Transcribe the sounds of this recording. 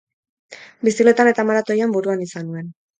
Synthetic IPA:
bisile̞t̪ane̞t̪amaɾat̪o̞jambuɾuanisanue̞n

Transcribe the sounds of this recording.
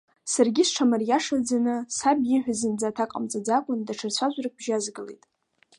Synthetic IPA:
sarɡʲisʈ͡ʂʰamarjaʂad͡zanɨsabjiħʷᶣazɨnd͡zatʰakʼa̰mt͡sʼad͡zakʷʼʊndaʈ͡ʂʰɨrt͡ɕʷʰaʒʷrak̚b̥ʒazɡɨlejtʼ

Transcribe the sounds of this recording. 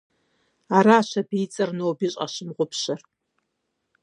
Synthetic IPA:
aɾaːʃʷabiːt͡sʼɐrnowbiɕʼa̰ʃɨmʁʷʊpʰʃɐr

